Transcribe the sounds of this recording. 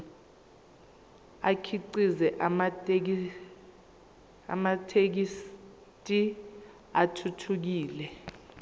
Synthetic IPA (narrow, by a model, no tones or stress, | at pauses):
akʰiǀizɛʔ | a̰matʰek̬is | tʼi | atʰutʰuk̬iːlɛ